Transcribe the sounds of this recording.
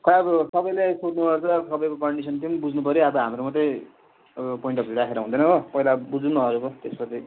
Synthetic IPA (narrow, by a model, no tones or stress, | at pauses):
kʰʌɾabsʌbʌjlajsʰoʈnubʌrt͡sʰʌsʌbʌjkokʌɳɖisʌnt̪inbud͡znupʌɾiabʌɦamɾomʌt̪ej | pojiɳʈʌpiɾakʰeɾʌɦũnd̪ʌjnʌɦopʌilabud͡zunʌʌɾukot̪espʌt͡sʰi